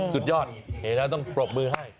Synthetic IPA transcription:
su˨˩t̪̚jɔː˥˩t̪̚he˩˦nlɛː˦˥t̪ɔ˥˩ŋpɾo˨˩p̚mɯː˧ɦa˥˩j

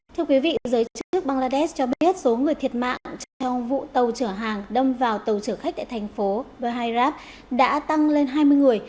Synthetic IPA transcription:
t̪ʰɛ˧əkwi˨˦vḭ˧˨˩zəː˨˦j̪t͡ɕ̚t͡ɕɨ˦˥k̚ɓaː˧ŋlaː˧ɗɛ˦˥st͡ɕɔ˧ɓi˦˥ət̚so˨˦ŋɨ˨˩əjt̪ʰi˨˩ət̚ma̰ː˧˨ŋt͡ɕt͡ɕɔ˧wŋ͡mvṵ˧˨t̪ə˨˩wt͡ɕɨ˧˩əɦaː˨˩ŋɗə˧mvaː˨˩wt̪ə˨˩wt͡ɕɨ˧˩əxa˦˥k̪̚a̰ː˧˨jt̪ʰa˨˩jŋ̟fo˨˦ɓə˧ɦa˧jzaː˦˥p̚ | ɗa̰ː˧˥t̪a˧ŋle˧nɦaː˧jmɨ˧əjŋɨ˨˩əj

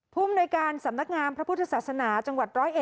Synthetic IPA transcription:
pʰuː˥˩mnoː˧jkaː˧nsa˩˦mna˦˥k̚ŋaː˧npʰɾa˦˥pʰu˥t̪ʰːa˧saː˨˩sa˧naː˩˦t͡ɕa˧ŋwa˨˩t̪̚ɾɔː˦˥jʔe˨˩

